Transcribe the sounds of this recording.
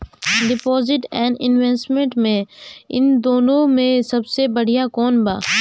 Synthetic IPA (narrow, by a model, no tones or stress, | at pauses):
ɖɪpɔːzɪʈɛ̃ːɳɖɪ̰nʋeːsʈmẽɳʈmẽɪ̰nd̪oːnõmẽsɐbsebɐɽ̤ijakɔːnba̰ː